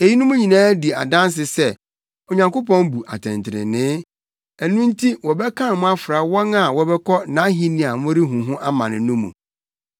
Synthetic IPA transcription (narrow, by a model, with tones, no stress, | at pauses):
e˨ji˦nũ˦mũ˦ɲĩ˨nãː˦di˨a̰˨dã˦ns̬ɪ˨sɛ˦ | o˨ɲã˨ŋko˦pɔ̃˦nbu˨ʔa̰˨tʰɪ̰̃˨ntʰɪ˨ɾɪ̰˨nɪ̃˦ | æ˨nũ˦n̩˦tʰi˦wɔ˨bɛ˦kʰã˦˨mʊ̃˦a˦fɾa˨wɔ̃˦na˨wɔ˦bɛ˦kʰɔ˦nã˨˦ɦĩ˦nĩ˨a˨mʊ̃˦ɾi˦ɦũ˨ɦʊ̃˦ʔa˦mã˨nɪ̃˨nũ˦mṵ̃˨